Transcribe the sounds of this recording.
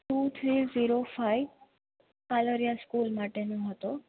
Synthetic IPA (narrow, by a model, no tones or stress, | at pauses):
ʈut̪ʰɾiːziɾofaj | kaləɾijaskulmaʈenoɦət̪o